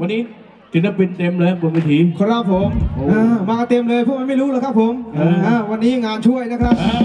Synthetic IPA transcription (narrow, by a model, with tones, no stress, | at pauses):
wa˧nːiː˦˥ | t̪i˨˩la˦˥˩pi˧nt̪e˧mlɤː˧˩˧bu˨˩kwiː˧˩t̪ʰiː˨˩˦kʰɔ˧˩nɾa˦˧˥p̚ʰːo˨˩˦mʔaː˧˩maː˧ka˧t̪e˧əmlɤː˧jpʰu˥˩kma˧˦ma˥˩jɾuː˦˥ləː˧jkʰa˦˥pʰːo˨˦ma˧˩ʔaː˧˩wa˧nːiː˦˥ŋaː˧nt͡ɕʰu˥˩əjna˦˥kʰɾa˦˥p̚